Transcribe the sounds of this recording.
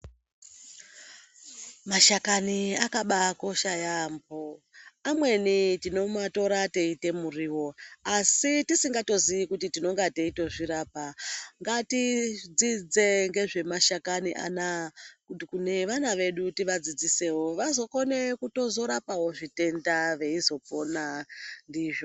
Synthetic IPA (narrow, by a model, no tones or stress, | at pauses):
maʃakaniakaɓako̞ʃajamboamwe̞nitino̞mato̞ɾateite̞muriːwo̞asitisiŋɡato̞ziʋikutitino̞ŋɡateito̞ʐiɾaːpaŋɡatid͡zid͡ze̞ŋɡe̞ʐe̞maʃakaniʔa̰nakukune̞ʋanaʋe̞ɗutiʋad͡zid͡zise̞wo̞ʋazo̞kone̞kuto̞zo̞ɾapawo̞ʐite̞ndaʋe̞izo̞ponandiːʐo̞